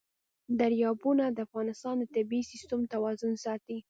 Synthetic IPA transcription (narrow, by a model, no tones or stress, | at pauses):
d̪aɾjɑbunad̪əafɣɑnɪst̪ɑnd̪ət̪ɪbisist̪ʊmt̪awɑzʊnsɑt̪i